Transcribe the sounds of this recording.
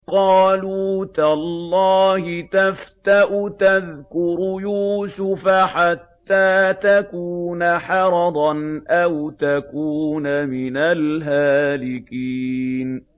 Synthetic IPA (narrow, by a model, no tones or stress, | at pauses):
qɑːluːt̪alˤːɑːhɪt̪aft̪aʔʊt̪aðkʊɾʊjuːsʊfaħat̪ːaːt̪akuːnaħɑɾˤɑd̪ˤɑnʔawt̪akuːnamɪnalɦaːlɪkiːn